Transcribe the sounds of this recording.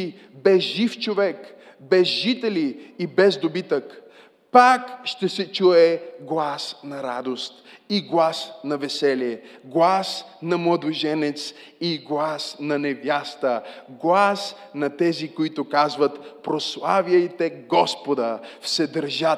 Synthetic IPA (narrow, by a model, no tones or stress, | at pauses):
bɛzʒift͡ʃovɛk | bɛzʒit̪ɛliːbɛzd̪obit̪ək | pakʃt̪ɛsɛt͡ʃuɛɡlˠasnɐɾa̰d̪ost̪iɡlˠasnɐvɛsɛliɛɡlˠasnɐmlˠɐd̪oʒɛnɛt̪s | iɡlˠasnɐnɛvjast̪əɡlˠas | nɐt̪ɛzikoit̪ʊkazvət̪pɾoslˠaviəjt̪ɛɡɔspod̪əfsɛd̪əɾʒa